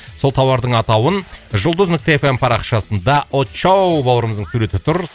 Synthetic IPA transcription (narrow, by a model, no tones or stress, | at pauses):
so̞lˠt̪ʰɑwɑɾd̪əɴɑt̪ɑwənʒʊlˠd̪əzmɵk̚t̪eefempʰɑɾɑqʃɑsənd̪ɑʔot͡ʃɑwbɑwˠəɾəməzd̪əɴsuɾe̞t̪ɪt̪ʰʊɾ